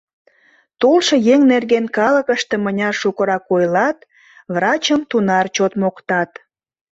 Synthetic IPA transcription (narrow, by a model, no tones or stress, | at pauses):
t̪olʃɤjeŋnerɣenkɑləkəʃt̪e̽mənʲɑʃukəɾɑkojlɑt̪ | βrɑt͡ɕəmt̪unɑrt͡ɕot̪mokt̪ɑt̪